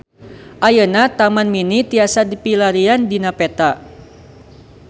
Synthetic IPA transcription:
ʔajənat̪amanminit̪iasadipilaɾiandinapɛt̪a

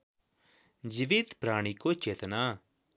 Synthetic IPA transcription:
d͡ʒiʋɪt̪pɾaːɽ̃ikot͡ʃeːt̪na

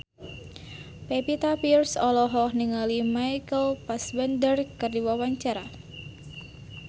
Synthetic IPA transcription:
pepit̪apirsɔlɔɦɔhniŋalimajkəlpaswɛnd̪ərkərdiwawaɲt͡ʃaɾa

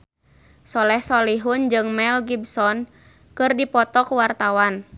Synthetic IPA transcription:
sɔlɛhsɔliɦund͡ʒɨŋmɛlɡibsɔn | kɨrdipɔt̪ɔkwart̪awan

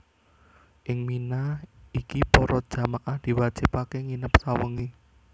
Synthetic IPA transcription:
ʔɪŋminaikipɔɾɔd̥ʒ̥a̤makad̪̥i̤wḁd͡ʒ̥ɪpakeŋinəpsawəŋi

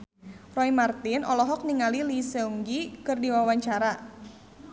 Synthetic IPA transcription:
rɔimart̪ɪnʔɔlɔɦɔk̚niŋalilisəuŋɡikɨrdiwawaɲt͡ʃaɾa

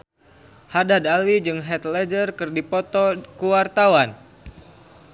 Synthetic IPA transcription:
hadadalwid͡ʒɨŋɦɛt̪lɛd͡ʒərkɨrdipɔt̪ɔkuwart̪awan

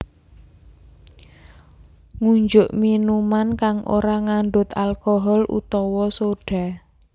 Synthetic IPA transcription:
ŋuɲd͡ʒʊʔminumankaŋʔo̰ɾaŋaɳɖʊt̪alkɔɦɔlṵt̪ɔwɔsoɖ̥a̤

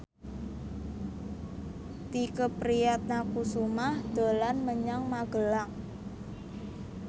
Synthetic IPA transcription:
t̪ikəpɾijat̪̚nakusumahd̪̥o̤lanməɲaŋmaɡ̥ə̤laŋ

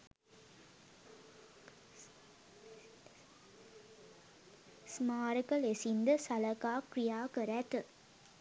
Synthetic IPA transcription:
smaːɾɯkɐlesind̪ɐsɐlɐkaːkɾijaːkəɾæt̪ɨ

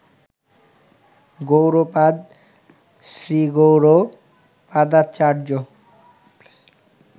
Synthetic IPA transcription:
ɡowɾopad̪ | sɾiɡowɾo | pad̪at̪̚t͡ɕaɾd͡ʑo

